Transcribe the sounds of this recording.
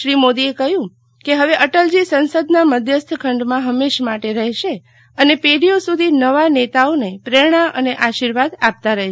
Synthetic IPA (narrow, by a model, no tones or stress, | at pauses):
ʃɾimod̪iekəɦjũ | keɦəʋeʔəʈəld͡ʒisənsəd̪naməd̪ʱjəst̪ʰkʰəɳɖmãɦəmeʃmaʈeɾəɦʃe | ənepeɽijosud̪ʱinəʋanet̪aonepɾeɽ̃aə̰neʔaʃiɾʋad̪ap̚t̪aɾəɦe